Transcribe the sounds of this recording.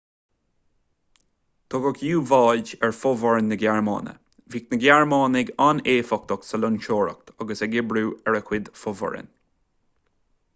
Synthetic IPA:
t̪ʰɔɡəkjuːvɑːld͡ʒɛɹfɔvəɹənːəɡjaɹmɑ̰ːnə̰ | viːknəɡʲaɹmɑːnɪɡaneːfɔk̚t̪ɔksəlʊnʃoːɹə̰k̚t̪ʰaɡəsɛɡɪbɾuːɛɹəkʰwɪd̪fɔvɔ̰ɹə̰n

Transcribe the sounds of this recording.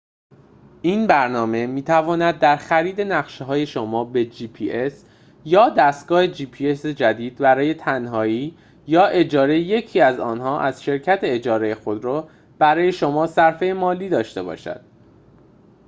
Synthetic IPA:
ʔinbæɾnɒːme̞miːt̪ʰævɒːnæd̪̚ːæɾxæɾiːd̪e̞næɣʃeɦɒːje̞ʃomɒːbe̞d͡ʒiːpʰiːʔes | jɒːd̪æst̪̚ɡ̥ɒːhed͡ʒiːpʰie̞sed͡ʒæd̪iːd̪̚bæɾɒːje̞t̪ʰænɦɒːiː | jɒːʔe̞d͡ʒɒːɾeje̞cʰiːæzɒ̰ːnɦɒːʔæz̥ʃe̞ɾcʰæt̪ʰeed͡ʒɒːɾe̞jexo̞d̪ɾɔː | b̥æɾɒːje̞ʃomɒːsæɾfejemɒːliːd̪ɒːʃt̪e̞bɒ̰ːʃæ̰d̪̥̚

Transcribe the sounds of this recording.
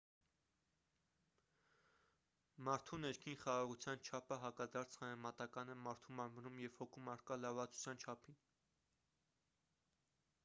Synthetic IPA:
mɑɾt̪ʰunɛɾkʰinχɑʁɑʁut͡sʰjɑnt͡ʃʰɑpʰəɦɑkɑd̪ɑɾt͡sʰhɑmɛmɑt̪ɑkɑnɛmɑɾt̪ʰumɑɾvənumjɛvhɔkʰumɑɾkɑlɑɾvɑt͡su̥t͡sʰjɑnt͡ʃʰɑpʰin

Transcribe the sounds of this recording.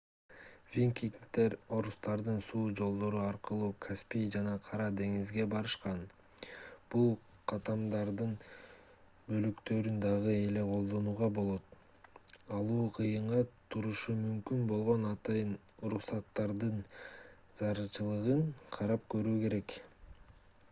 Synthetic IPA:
vʲiŋkʲiŋt̪e̞ɾo̞ɾust̪ɑɾd̪ɯnsuːd͡ʒo̞lˠd̪o̞ɾuɑɾqɯlˠuːkʰaspʲijd͡ʒɑnɑqʰɑɾɑd̪e̞ŋizɡe̞bɑɾɯʃqɑn | b̥ulˠ | qʰɑt̪ɑmd̪ɑɾd̪ɯn | bø̞lykt̪ø̞ɾynd̪ɑʁɯe̞le̞qʰo̞lˠd̪o̞nuːʁɑbo̞lˠo̞t̪ | ɑlˠuːqʰɯjɯɴʁɑt̪ʰuɾuʃumymkynbo̞lˠʁo̞nɑt̪ɑjɯn | uɾuqsɑt̪ːɑɾd̪ɯn | z̥ɑɾɯt͡ʃɯlˠɯʁɯɴqʰɑɾɑp̚kø̞ɾyːke̞ɾe̞k

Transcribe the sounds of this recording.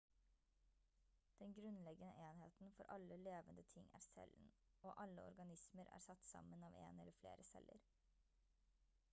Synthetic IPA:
d̪̥ɛnɡɾʉnlɛɡənəʔeːnɦeːt̪nfɔɾʔɑlːəleːʋənd̪ət̪ʰɪŋːʔæːɾsɛ̰ln̩oːʔɑlːəɔ̰ɾɡɑnɪsməɾæ̰ːɾsɑt̪ːsɑ̰mənɑːʋḛːnɛlːəflḛːɾʔəsɛlʔə̰ɾ

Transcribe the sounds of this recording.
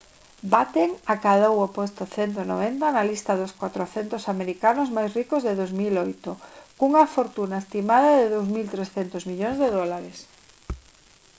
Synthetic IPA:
bat̪eŋakaðowopost̪oθent̪̬ono̰β̞ent̪analist̪aðoskwat̪ɾoθent̪osameɾikanozmajsrikozðeðozmilojt̪okuŋafoɾt̪unaest̪imað̞aðeðowzmilt̪ɾesθent̪ozmiʎoŋzðeðolaɾes

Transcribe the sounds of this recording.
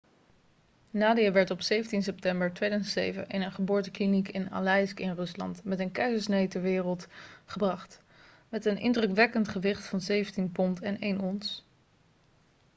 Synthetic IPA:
naːdijəʋɛɹtɔpsejvəntins̬ɛp̚tɛmbəɹtʋejdœzəntsḛjvə̰ʔɪnənχəbʊːɹtəklinikɪna̰lɛjskɪnrɵslɑ̰ntmɛtənkɛɥzəsnejtɛɹʋɪːrəlˠtχəbrɑχt | mɛtənʔɪ̰ndrɵkʋɛkəntχəʋɪχtfɑnzejvəntinpɔntɛnejnɔns

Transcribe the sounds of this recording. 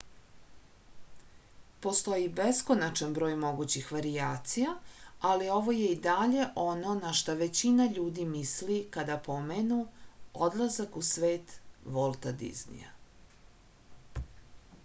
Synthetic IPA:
po̞st̪o̞jibesko̞nat͡ʃanbɾo̞ːjmo̞ɡut͡ɕixʋaɾiaːt̪sijaalio̞ʋo̞je̞id̪aʎe̞ʔo̞no̞naʃt̪aʋe̞t͡ɕinaʎuːd̪imislikad̪apo̞menuod̪lˠazakusʋe̞ːt̪ʋolˠt̪ad̪ḭznḭa̰

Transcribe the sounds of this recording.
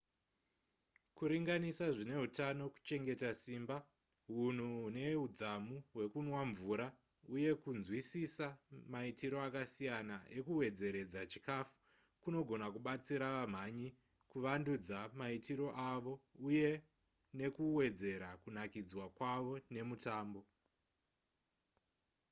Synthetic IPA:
kuɾiŋɡanisaʐine̞ɦutano̞ku̥t͡ʃe̞ŋɡe̞tasiːmba | ɦun̤uune̞ud͡zamuɦwe̞kunwaɱvuɾa | uje̞kunzwisisamaitiɾo̞akasijanaʔe̞kuwe̞d͡ze̞ɾe̞d͡zat͡ʃikafu̥ | kuno̞ɡʱo̞nakuɓat͡siɾaʋam̤aɲi | kuʋandud͡zamaitiɾo̞ʔaʋo̞uje̞ | ne̞kuwe̞d͡ze̞ɾakunakid͡zwakwaʋo̞ne̞mutaːmbo̞

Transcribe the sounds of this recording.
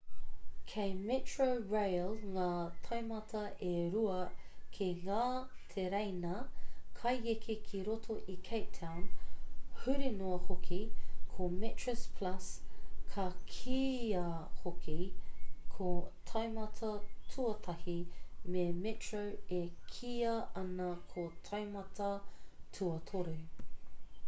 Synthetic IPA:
kʰejmɪtɹoɹejlŋaːtʰɐjmɐtʰɐeɾuɐkʰeŋaːtʰeɾejnɐkʰɐjekʰekʰiɾotʰoʔikʰej̚tʰawn | hʉɾinoɐhokʰikʰomɪtɹɛspʰlɐskʰɐkʰiɐhokʰikʰotʰɐjmɐtʰɐtʰuɐtʰɐhimemɪtɹəwekʰiɐɐnɐkʰotʰɐjmɐtʰɐtʰuɐtʰoɾu

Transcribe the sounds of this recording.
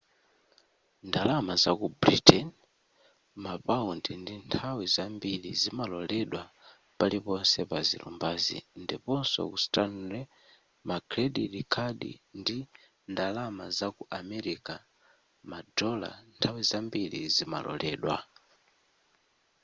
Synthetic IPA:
ndalamazakubɾitɛn | mapaundindintʰawizambilizimalɔlɛɗwa | palipɔnsɛpazḭlṵmbaːzḭndipɔnsɔ̰kustanɾɛ | makʰɾɛɗilikʰaɗḭndi | ndalamazakuʔamɛɾika | madɔla̰ntʰawizambilḭzima̰lɔ̰lʔɛːɗwa̰

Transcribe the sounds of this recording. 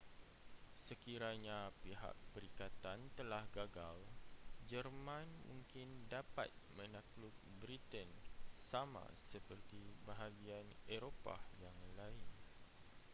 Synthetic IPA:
səkiɾaɲapiɦa̰k̚pəɾikat̪ant̪əlahɡaɡald͡ʒərmãnmṵ̃ŋkɪndapa̰t̪̚mə̃nakluk̚bɾit̪ənsamã̰səpərt̪ibaɦaɡianeɾopa̰jaŋlaɪn

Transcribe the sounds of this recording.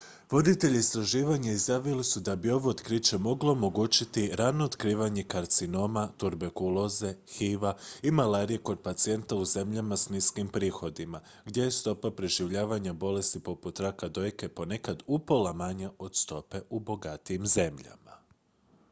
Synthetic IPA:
ʋo̞d̪it̪e̞ʎiist̪ɾaʒiːʋaɲaizjaːʋilisud̪abio̞ʋoːt̪kɾit͡ʃe̞mo̞ɡlˠo̞ːmo̞ɡuːt͡ɕit̪iɾano̞ːd̪kɾiːʋaɲe̞kaɾt̪sino̞mat̪uɾbekulˠo̞ze̞xiʋaimalaːɾije̞ko̞d̪̚pat̪sie̞nt̪auze̞mʎamasniskimpɾiːxo̞d̪ima | ɡd̪je̞jest̪o̞papɾe̞ʒiʋʎaːʋaɲabo̞le̞st̪ipo̞put̪ɾakad̪o̞jke̞po̞ne̞kad̪upo̞lˠamaɲaʔo̞d̪st̪o̞pe̞ʔubo̞ɡat̪ijimze̞mʎa̰ma

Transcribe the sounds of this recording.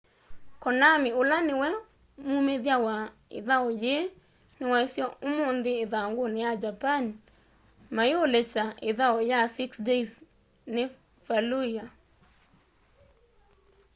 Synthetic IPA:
kɔnamiolanewɛ | mumeðjawa | ḛðaɔje | newaesjɔomond̪eːðaŋɡonejad͡ʒapan | maeolɛt͡ʃaeðaɔjasiksdes | ne | faluja

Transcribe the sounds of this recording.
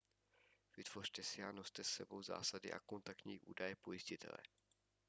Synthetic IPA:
v̥ɪt̪v̥o̞r̥t̪ɛsɪano̞st̪ɛsːɛbo̞wza̰ːsadɪ̰ʔa̰ko̞nt̪ak̚t̪ɲiːʔṵːdajɛpo̞jɪscɪt̪ʰɛ̰lɛ̰

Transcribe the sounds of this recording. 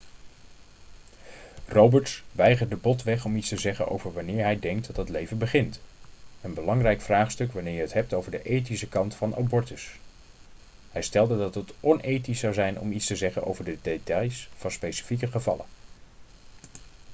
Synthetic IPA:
rowbəɹtsʋɛjχəɹdəbɔtʋɛχɔmitstəzɛχə̰nʔo̰wvəɹʋɑnɪːɹɦɛjdɛŋk̚dɑtɦətlejvənbəχɪntənbəlɑŋrɛjkfraːχstɵkʋanɪːɹjəɦətɦɛp̚towvəɹdəʔejtisəkɑntfɑnʔɑ̰bɔɹtəs | hɛjstɛlˠdədɑtɦətʔɔnʔejtisɑwzɛjnʔɔ̰mitstəzɛχənʔo̰wvəɹdədetɑjsfɑnspejsi̥fikəχəvɑ̰lə̰

